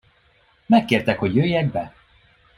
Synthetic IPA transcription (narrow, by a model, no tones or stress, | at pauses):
mɛkːeːrt̪ɛkho̞ɟjøːjːɛɡ̚bɛ